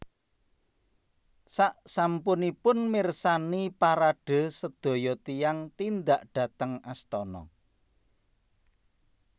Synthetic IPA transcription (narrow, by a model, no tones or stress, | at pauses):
saʔsampʊnipʊnmirsanipaɾaɖ̥ə̤səd̪̥o̤jɔt̪ijaŋt̪ind̪aʔɖ̥ä̤t̪əŋast̪ɔnɔ̰